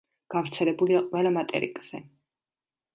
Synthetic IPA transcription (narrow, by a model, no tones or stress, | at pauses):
ɡ̥afɾt̪sʰɛlɛbuliaqʼwɛlˠamat̪ʼɛ̰ɾḭkʼz̥ɛ